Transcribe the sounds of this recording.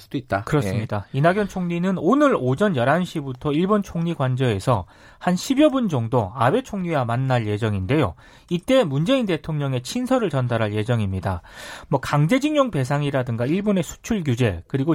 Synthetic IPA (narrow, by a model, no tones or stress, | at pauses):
s͈ud̥oit̚t͈akɯɾʌmɲidainaɡjʌnt͡ɕʰoŋɲinɯnonɯɾod͡ʑʌnjʌɾanɕʰibutʰʌiɭbont͡ɕʰoŋɲiɡwand͡ʑʌe̞sʰʌ | hanɕʰibjʌbund͡ʑʌŋdoabe̞t͡ɕʰoŋɲiwamanːaɭje̞d͡ʑʌŋinde̞jo̰ | it͈e̞mund͡ʑe̞inde̞tʰoŋɲʌŋe̞t͡ɕʰinsʰʌɾɯɭt͡ɕʌndaɾaɭje̞d͡ʑʌŋimɲida̰mwʌkaŋd͡ʑe̞d͡ʑiŋjoŋpe̞s̬ʰaŋiɾadɯŋɡaiɭbone̞sʰu̥t͡ɕʰuɭɡjud͡ʑe̞̰kɯɾiɡo